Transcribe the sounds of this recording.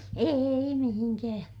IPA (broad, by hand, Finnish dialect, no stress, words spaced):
eˑi mihiŋkæ̃ː